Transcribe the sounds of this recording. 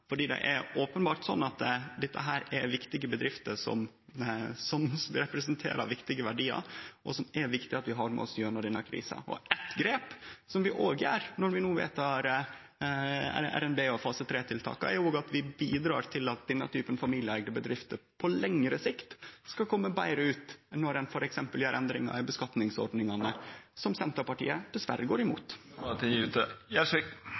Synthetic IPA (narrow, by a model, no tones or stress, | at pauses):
fɔɖiːd̪ɛ̰ʔɛɾoːpənbɑːɾʈ̪sɔ̰nːɑt̪d̪ɛt̪ːə̰ɦæːɾɛɾʋɪkt̪ɪɡəbəd̪ɾɪft̪əsɔ̰m | sɔmɾɛpɾɛsənt̪ʰḛːɾɑ̰ʋɪkt̪ɪɡəʋæɖiːɑ̰ɾʔɔsɔmɛɾʋɪkt̪ɪɑt̪ʋɪɦɑɾmɛ̰ɔsjøːɾnəd̪ɛnːəkʰɾḭːsɑ̰ɔ̰ʔɛt̪ɡɾeːpsɔmʋɪʔoːɡəæːɾnɔɾʋɪnuːʋḛːt̪ɑɾ | æ̰æ̰ɾɛnbeːoːfɑːsət̪ʰɾeːt̪ʰɪlt̪ʰɑ̰ːkɑ̰ɛ̰ɾjʊoːɡɑt̪ʋɪbiːd̪ɾɑ̰ːɾt̪ʰɪlɑt̪̚d̪ɛnːət̪ʰyːpənfɑmiːljəæɡd̪əbəd̪ɾɪft̪əɾpʰɔlɛŋɾəsɪkt̪skɑlkʰɔmːəbæɪɾəʉːt̪nɔɾænfɔɾɛksɛmpəljæɾʔɛnd̪ɾɪŋɑ̰ɪbəskɑt̪nɪŋsɔ̰ɾɖ̪nɪŋɑnəsɔmsɛnt̪ɑpɑʈḭːəd̪̥ɛsʋæ̰ɾːəɡoːɾɪmṵːt̪t̪ʰɪŋʉːt̪əjæsɪ